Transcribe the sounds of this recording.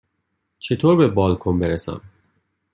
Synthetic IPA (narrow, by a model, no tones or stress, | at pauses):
t͡ʃʰet̪ʰoːɾbebɒːlkʰombeɾesæ̰m